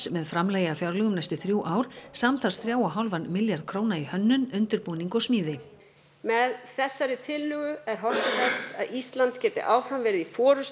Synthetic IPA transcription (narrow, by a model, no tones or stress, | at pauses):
mɛðfɾamlɛːjafjawɾlœɣʏmnajst̪ʏθɾjuːʔaːwɾ̥saːmt̪ʰarsθɾjaːwaɦawlvanmɪljaɾðkʰɾoːwnaihœnːʏnʏnt̪ɪɾpuːniŋkɔsmiːðɪ | mɛðθɛsːaɾɪt̪ʰɪlːʏːɣʏɛɾ̥ɦɔr̥t̪ɪθɛsa̰ðist̪lant̪cɛːt̪ɪ̰ʔaːwfɾamvɛːɾɪðifɔːɾʏs